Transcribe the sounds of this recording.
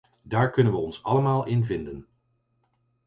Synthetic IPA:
daːɹkɵnənʋəɔnsɑləmaːlˠɪnvɪndən

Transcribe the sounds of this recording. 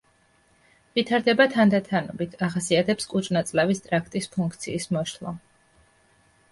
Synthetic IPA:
vit̪ʰaɾd̪ɛbat̪ʰand̪at̪ʰanɔbit̪ʰaχasiat̪ʰɛpskʼut͡ʃʼnat̪sʼlavist̪ʼɾakʰt̪ʼispʰuŋk̚ʰt̪sʰiːsmɔʃʰlˠɔ̰

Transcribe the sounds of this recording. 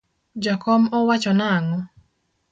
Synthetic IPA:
d͡ʒakɔmɔwat͡ʃɔnaŋɔ

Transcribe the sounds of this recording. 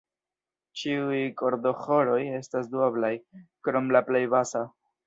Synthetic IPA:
t͡ʃiujko̞ɾd̪o̞xo̞lo̞je̞stasduablajkɾo̞mlaple̞jbasa

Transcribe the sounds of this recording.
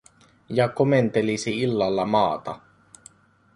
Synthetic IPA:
jɑkoment̪elisiilːɑlːɑmɑːt̪ɑ

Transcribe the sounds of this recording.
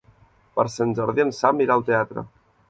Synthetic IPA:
pəɾsənzaɾðiənsamiɾalˠt̪eat̪ɾə̰

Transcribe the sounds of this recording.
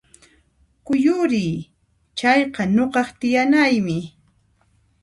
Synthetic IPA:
kʊjʊɾɪː | t͡ʃɑjqɑɲoqɑqt̪ɪjanajmɪ

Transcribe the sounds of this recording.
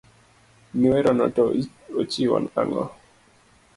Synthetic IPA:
niweɾɔnɔtɔ | ot͡ʃiwɔ̰na̰ŋɔ̰

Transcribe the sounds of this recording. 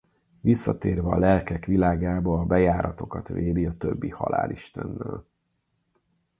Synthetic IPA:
ʋisːɒt̪eːrvɛɒlɛlkɛkʋilaːɡaːbɒːbɛjaːɾɒt̪o̞kɒt̪ʋeːd̪iɒt̪øbːihɒ̰la̰ːliʃt̪ɛnːɛl

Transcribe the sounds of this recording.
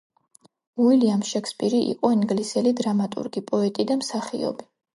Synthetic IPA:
uiliamʃɛkʰspʼiɾiʔḭqʼɔiŋɡlisɛlid̪ɾamat̪ʼṵɾɡipʼɔɛt̪ʼid̪amsaχḭɔ̰bi

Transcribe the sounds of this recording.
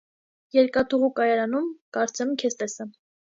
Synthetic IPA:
jɛɾkɑt̪ʰuʁukɑjɑɾɑnumkɑɾt͡sɛmkʰɛst̪ɛsəm

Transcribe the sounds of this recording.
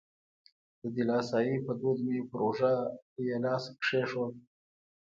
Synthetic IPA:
d̪̥əd̪ilɑːsɑːjipəd̪ud̪mepɾoʐajelɑːskʂeʂo

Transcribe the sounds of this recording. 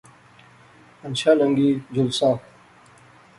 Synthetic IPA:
ɐnɕaːlɐŋɡiːd͡ʑulsaː

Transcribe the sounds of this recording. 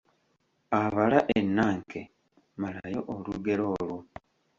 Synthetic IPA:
aβalaʔenːaːŋkʰe | malajo̞̰ʔoluɡe̞ɾo̞ːlwo

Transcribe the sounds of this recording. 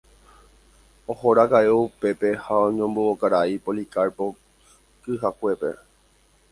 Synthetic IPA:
ohoɾakaʔeupe̞pe̞haõɲõmbookaɾaipolikaɾpo | kɨɦakʷe̞pe̞̰

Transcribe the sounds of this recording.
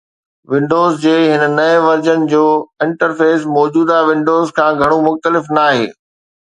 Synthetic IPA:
ʋɪ̃ɳɖoːzd͡ʑeːɦɪnə̆nɐɪ̃ʋɐɾd͡ʑənɪ̆d͡ʑoːɪ̃ɳʈəɾfeːsmɔːd͡ʑuːd̪aʋɪ̃ɳɖoːzkʰãːɡʱɐɽ̃omʊxt̪əlɪfnaːɦḛː

